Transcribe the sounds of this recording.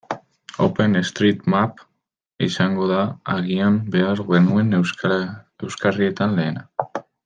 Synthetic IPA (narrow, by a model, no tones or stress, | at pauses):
o̞̰pe̞nest̪ɾit̪map | isaŋɡo̞ðaaɣiambe̞aɾɣe̞nue̞n | e̞wskarie̞t̪anle̞ːna